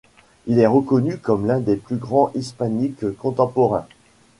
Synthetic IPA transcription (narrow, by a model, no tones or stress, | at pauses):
ilɛʁəkɔnykɔmlɛ̃d̪eplyɡʁɑ̃ʔispanikkːɔ̃t̪ɑ̃pɔʁɛ̃